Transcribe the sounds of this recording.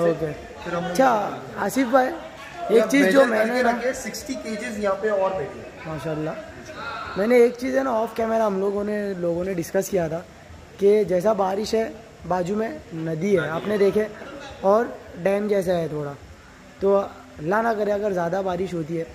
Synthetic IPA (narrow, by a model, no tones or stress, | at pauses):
oːke | ɐʃʰa | ɐsifbʱaːj | eːkt͡ʃiːzd͡ʒoːmɛ̃ːneɐɡesɪksʈikeːd͡ʒɪzjɐɦãpeɔːɾd̪eːkʰ | maːʃaːəlːa | mɛ̃ːneːk̚t͡ʃiːzɛnaɔːfkɛːmɛɾaɦɐmloːɡõneloːɡõneɖɪskəskijat̪ʰaː | ked͡ʒɛːsabaːɾɪʃɦɛ | baːd͡ʒumẽnɐd̪iɦɛaːpned̪eːkʰeɔːɾɖɛːmd͡ʒɛːs̬aɦɛt̪ʰoːɽa | t̪o | ɐlːanakɐɾeɐɡəɾzjaːd̪abaːɾɪʃɦoːt̪̬iɦɛː